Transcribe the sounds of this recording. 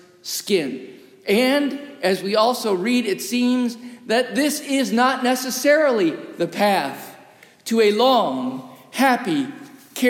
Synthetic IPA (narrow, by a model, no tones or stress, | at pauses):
skɪ̃n | ɨ̃ndɨzwiɔlˠsoʊɹiɾɨtsĩmzðɨt̪̚ðɪsɪznətⁿnɛsɨsɛɹl̩ˠiðɨpʰæθ | tʰɨɨlɔ̃ŋhæpikʰɛ